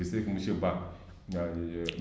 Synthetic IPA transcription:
isekumuʃeba

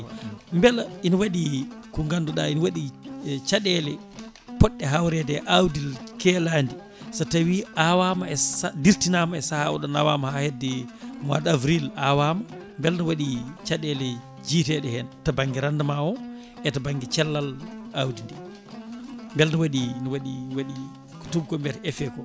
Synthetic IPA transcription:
mbɛlinwaɗikuŋɡandɔɗainwaɗit͡ʃaɗɛlɛ | pɔɗːɛɦawɾɛdɛʔawdilkɛlaːndi | satawiawamaɛadiɾtinamaɛsahaɔ̰ɗɔnawamahahedːɛma̰davɾilawama | mbɛlnɔwaɗit͡ʃaɗɛlɛ | d͡ʒiːtɛɗɛhɛntabaŋɡiɾandamaɔ | ʔɛtabaŋɡit͡ʃɛlːalawdindɛ | mbɛlnɔwaɗinɔwaɗiwaɗi | ku̥tubkɔmbɛɾɛfɛkɔ

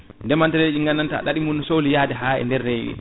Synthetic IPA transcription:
ndɛmantɛled͡ʒiŋɡanːantaa̰ɗaɗimunːɔsolijaːdɛɦaːɛ̰ndɛrːejḭ

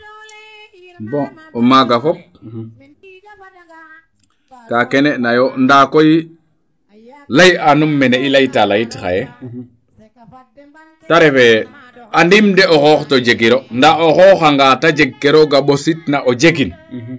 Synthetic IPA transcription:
bo | omaɡafop̚ | takeneʔnajondakoj | lajanumːeneilajtalajitxa̰je | taɾefe | andimdeoxɔːxtod͡ʒeɡiɾondaoxɔxaŋɡatad͡ʒeɡːeɾoɡaɓositnaʔod͡ʒeɡin

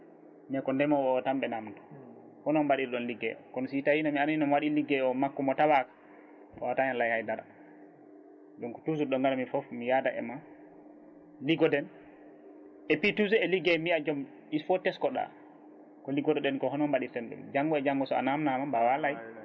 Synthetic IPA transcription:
mɛkɔndɛmɔɓɔtamɓɛnamtɔ̥ | hɔnɔmbaɗiɾɗɔnliɡɛ̰ɔ̰kɔnɔsitahinamianinɔnwaɗiliɡɛɔmakːɔmɔtawakḁ | ɔwataɲanlajhajdaɾa | ɗɔnkɔtus̬uɾɗɔŋɡalamifɔfmijadaʔɛ̰ma | liɡɔdɛn | ʔɛpitusɛliɡɛmiad͡ʒɔm | ifɔtɛskɔɗa̰ | kɔliɡɔdɛɗɛnkɔhɔnɔmbaɗiɾtɛnɗṵmd͡ʒaŋɡɔɛd͡ʒaŋɡɔsɔa̰namnamambawalaj

